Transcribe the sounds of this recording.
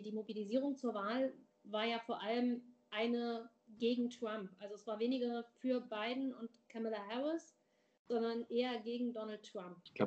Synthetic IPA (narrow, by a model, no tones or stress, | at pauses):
diːmobiliziːʁ̞ʊŋt͡suːɐvaːl | vaːɐjaːfoːɐʔaləmʔaɪnə | ɡeːɡŋ̩tʁ̥ampʔalzoɛsv̥aːɐveːnɪɡɐfyːɐbaɪdn̩ʊntkʰɛmɪlahɛʁɪs | z̥ɔndɐnʔeːɐɡeːɡŋ̩dɔnal̩tːʁ̥amp̚la̰